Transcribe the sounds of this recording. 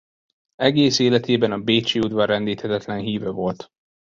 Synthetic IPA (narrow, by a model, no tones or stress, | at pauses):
ɛɡeːseːlɛt̪ʰeːbɛnɒbeːt͡ʃiːud̪vɒrɛnd̪iːt̪hɛt̪ɛt̪lɛnɦiːvɛvo̞lt̪